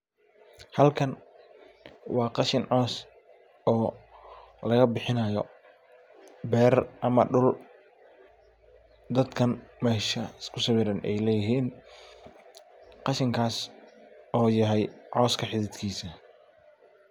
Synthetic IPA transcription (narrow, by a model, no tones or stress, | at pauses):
hɐlkʰɐn | wɑːqɑʃɪnʕɔːs | ɔː | lɐɣɐbɪħɪnɐjɔ̰ | bɛːrʔɐmɐ̰ɖʊl | d̪ɐd̪kʰɐnmɛːʃɐɪskʰʊsɑwɪːɾɐnʔɛ̰jlɛːjɪɦiːn | qɑʃɪŋkʰaːs | ɔːjɐɦɛjʕɔːskʰɐħɪðɪd̪kʰiːsɐ